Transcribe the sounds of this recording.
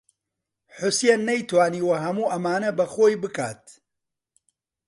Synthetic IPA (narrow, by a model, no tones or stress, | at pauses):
ħʊsjenːɐjt̪waːniːwɐɦɐmuːʔɐmaːnɐbɐxoːjbɨkaːt̪̚